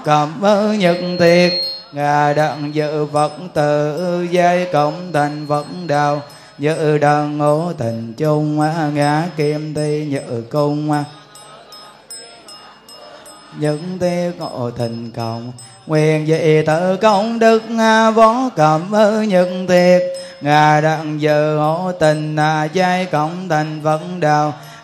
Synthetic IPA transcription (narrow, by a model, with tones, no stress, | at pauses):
kə˨˩mʔə˧˩ɲɨ˨t̚ŋt̪ʰi˧˩ət̚ŋaː˨˩ɗa̰˧˨ŋzɨ̰˧˨və˨˦k̚nt̪ɨ˨˩˧za˧jkə˧˩wŋ͡mt̪ʰi˨˩ŋ̟və˨˦t̚nɗaː˨˩w | ɲɨ̰˧˨ɗəː˨˩nːo˨˦t̪ʰi˨˩ŋ̟t͡ɕʊ˧ŋ͡maː˧˦ŋaː˨˦ki˧mt̪ʰi˧ɲɨ̰˧˨kʊ˧ŋ͡ma˧ | ɲɨ˧˥ŋt̪i˧˦ək̚o̰˧˨t̪ʰi˨˩ŋ̟kə˧˩˨wŋ͡m | ŋwi˧˩ənzə̰˧˨t̪ɨ˧˨˩kə˧wŋ͡mɗɨ˨˦k̚ŋaː˧vɔ˨˦nkə˨˩mʔə˧ɲɨ˧˥k̚ŋt̪i˧˦ək̚ | ŋaː˨˩ɗa˧˨ŋzə˧˨ŋo˧˦t̪i˨˩ŋ̟naː˧˨zaː˧jkə˧˩wŋ͡mt̪ʰa˨˩jŋ̟və˧˦˥ɗaː˨˩w